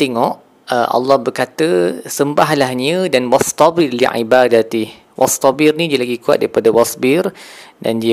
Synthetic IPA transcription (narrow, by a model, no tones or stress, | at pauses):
t̪eŋɔʔ | əʔɑ̰lːɑhbərkat̪əsəmbaɦlahɲədanwɑst̪ɑbɪrlḭʕḭbadat̪ɪh | wʔɑ̰st̪ɑbirnĩdiəlaɡikua̰t̪̚daɾipadawasbɪrda̰ndiə